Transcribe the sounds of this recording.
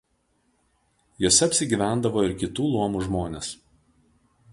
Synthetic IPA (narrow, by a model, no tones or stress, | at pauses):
joːsʲɛɐpʲsʲɪɡʲiːˑʋʲæˑnd̪ɐʋoːɪɾkʲɪt̪uːlˠuɔmuːʒmoːnʲeːs